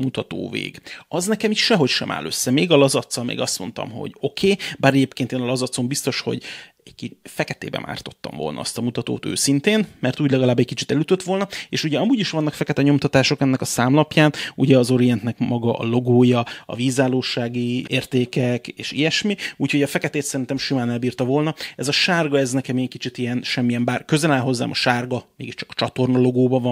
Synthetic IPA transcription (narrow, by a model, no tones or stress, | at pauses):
mut̪ɒt̪o̰ːvḛːɡɒznɛkɛmiʃʃɛɦo̞cʃɛ̰mʔa̰ːlø̞̰sːɛmeːɡɒlɒzɒt̪sɒmḛːɡɒst̪mo̞n̪t̪ɒ̰mɦo̞̰ɟo̞kʰeːbaːɾɛɟeːpkeːneːnɒlɒzɒt̪so̞mbist̪o̞ʃho̞̰ɟ | ɛɟkifɛkɛt̪ḛːbɛ̰mʔa̰ːrt̪o̞̥t̪ːɒ̰ɱvo̞̰lnɒ̰ɒ̰st̪ɒmut̪ɒt̪o̰ːt̪ø̰ːsint̪eːnmɛrt̪uːɟlɛɡɒlaːbːɛc̚kit͡ʃit̪ɛlyt̪øt̪ʋo̞lnɒeːʃuɟɛɒmuːɟiʃʋɒnːɒkfɛkɛt̪ɛɲo̞mt̪ɒt̪aːʃo̞kɛnːɛkɒsaːmlɒpjaːnuɟɛɒzo̞ɾijɛnt̪nɛkmɒɡɒʔɒ̰lo̞ɡoːjɒɒ̰viːzaːloːʃaːɡieːrt̪eːkɛkeːʃḭjɛʃmiuːcho̞ɟɒfɛkɛt̪eːt̪sɛɾint̪ɛmʃimaːnɛlbiːrt̪ɒvo̞lnɒɛzɒʃaːrɡɒɛznɛkɛmiɛkit͡ʃit̪ijɛnʃɛmːijɛmbaːrkø̞zɛlaːlɦo̞zːa̰ːmɒʃaːrɡɒmeːɡiʃt͡ʃɒ̥kɒ̥t͡ʃɒt̪o̞rnɒlo̞ɡoːbɒvɒ